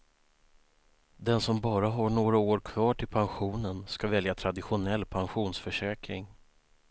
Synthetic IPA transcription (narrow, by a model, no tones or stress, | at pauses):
d̪ɛnsɔmbɑːɾaɦaɳoːɡɾaoːɾkʰv̥ɑːʈʰɪlpʰanɧuːnənskavɛljat̪ʰɾad̪ɪɧʊnɛlːpʰanɧuːnsfœʂɛːkɾɪŋ